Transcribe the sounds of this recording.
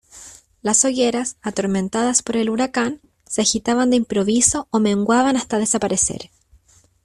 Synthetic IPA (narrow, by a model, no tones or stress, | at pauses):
lasoʝeɾasat̪o̞ɾmẽ̞nt̪aðaspo̞ɾe̞luɾakan | seaxit̪aβand̪eimpɾo̞βiso̞ome̞ŋɡwaβanast̪að̞e̞sapaɾe̞sḛɾ